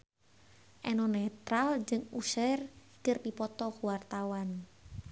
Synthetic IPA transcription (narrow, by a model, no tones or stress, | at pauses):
ʔɛnɔnɛt̪ɾald͡ʒɨŋusɛr | kɨrdipɔt̪ɔkuwart̪awan